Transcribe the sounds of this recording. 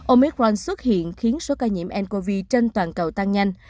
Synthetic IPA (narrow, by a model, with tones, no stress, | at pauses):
ʔo˧mɛ˦˥k̚ɔ˧nswə˦˥t̚hḭ˧˨ənxi˨˦ənso˨˦kaː˧ɲḭ˧˩mʔɛ˧nko˧vi˧t͡ɕe˧nt̪waː˨˩nkə˨˩wt̪a˧ŋɲa˧jŋ̟